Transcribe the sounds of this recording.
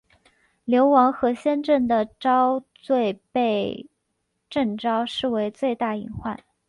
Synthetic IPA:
ljo˧˥ʊwɑ˧˥ŋxɤ˧˥ɕjɛ˥nʈ͡ʂə˥˩nd̪ə˩ʈ͡ʂɑ˥ʊt͡swe˥˧ɪpe˥˧ɪ | ʈ͡ʂə˥˩ŋʈ͡ʂɑ˥ʊʂɻ̩˥˩we˧˥ɪt͡swe˥˧ɪt̪a˥˩ḭ˨˧˩ŋxwa̰˥˩n

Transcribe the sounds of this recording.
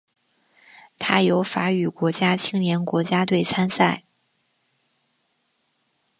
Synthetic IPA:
t̪ʰa˥jo˧˥ʊfa˧˥y˨˩kwɔ˧˥t͡ɕja˥t͡ɕʰi˥ŋnjɛ˧˥nkwɔ˧˥t͡ɕja˥t̪̬we˥˩ɪt͡sʰa˥nsa˥˩ɪ

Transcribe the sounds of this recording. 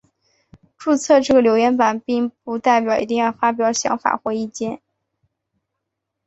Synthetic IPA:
ʈ͡ʂu˥˧t͡sʰɤ˥˧ʈ͡ʂɤ˥˩ə˩ljo˧˥ʊɥɛ˧˥npa˨˩npi˥˩ŋpu˧˥t̪a˥˩ɪpjɑ˨˩ʊʔḭ˧˥t̪i˥˧ŋjɑ˥˩ʊfa˥p̬jɑ˧˥ʊɕjɑ̰˧˥ŋfa̰˨˩xwɛ˧˥ɪi˥˩t͡ɕjɛ˥˩n

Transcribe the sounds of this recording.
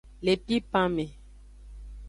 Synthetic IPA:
le˨pi˦pã˦me˨

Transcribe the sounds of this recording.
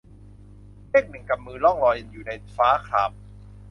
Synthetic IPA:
liː˥˩k̚nɯ˨˩˦ŋka˨˩mːɯː˧lɔ˥˩ŋlɔː˧jjuː˨˩na˧jfaː˦˥kʰaː˨˩p̚

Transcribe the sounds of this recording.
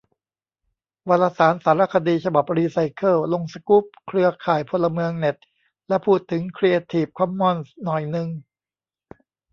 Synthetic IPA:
waː˧laː˧saː˩˦nsaː˩˦ɾa˦˥˩kʰa˧diː˧t͡ɕʰa˧ba˨˩p̚ɾiː˧sa˧jkʰɤː˥˩lo˧ŋsa˧ku˦˥p̚kʰɾɯ˧ɐkʰaː˨˩jpʰo˧lːa˧mɯ˧əŋne˨˩t̪̚ | lɛ˦˥pʰuː˥˩t̪ʰːɯ˩˦ŋkʰɾi˧ʔe˧t̪ʰiː˨˩p̚kʰɔ˧˥mːɔ˥˩nsnɔ˨˩jnɯ˧ŋ

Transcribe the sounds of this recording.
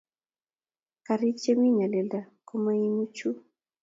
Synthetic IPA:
ka˨ɾi˦t͡ʃe˦mi˦ɲa˨lɛ˨lda˨ | ko˦ma˦i˦mu˦t͡ʃu˦

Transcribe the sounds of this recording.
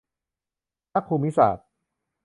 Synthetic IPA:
a˦˥kʰuː˧mːi˦˥sa̰ː˨˩t̪̚

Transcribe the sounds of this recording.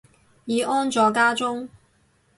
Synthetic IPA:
jiː˨˧ʔɔː˥nt͡sɔː˨˧kaː˥t͡sʊ˥ŋ

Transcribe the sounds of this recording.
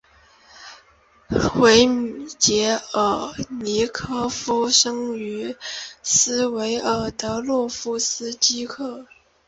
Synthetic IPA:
xwe˧˥ɪmt͡ɕjɛ˧˥ə˨˩ni˧˥kʰɤ˥fu˥ʂɤ˥ŋy˧˥sɹ̩˥we˧˥ɪʔə˨˩t̪ɤ˧˥lwɔ˥˩fu˥sɹ̩˥t͡ɕi˥kʰɤ˥˩

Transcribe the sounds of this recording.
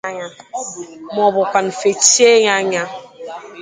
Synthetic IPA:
ɲa˨ | mɔ˨bɔ˨kʷa˨n˨fe˨ti˦e˦ɲa˦ɲa˦

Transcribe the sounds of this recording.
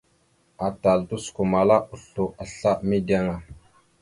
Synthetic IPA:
a˨ta˨ldu˦sku˨ma˨la˦u˨ɬu˨ʔa˨ɬa˦mi˦di˦a˦ŋa˨

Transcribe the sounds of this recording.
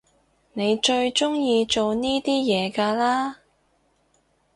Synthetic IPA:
ne˨˧jt͡ʃɵ˧ɥt͡ʃʊ˥ŋjiː˧t͡ʃo˨wniː˥t̪iː˥jɛː˨˧kaː˧laː˥

